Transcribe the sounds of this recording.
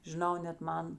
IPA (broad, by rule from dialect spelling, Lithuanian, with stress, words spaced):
ʒʲɪˈnɐʊ nʲɛt ˈmɐn